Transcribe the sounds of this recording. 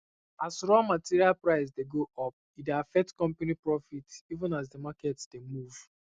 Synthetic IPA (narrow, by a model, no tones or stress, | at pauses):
asɹɔmatiɾialpɹaɪs̬deɡoɔp̚ideafɛk̚tkɔ̃mpanipɹɔfitivə̃nazdemakɛtsd̥emuv̥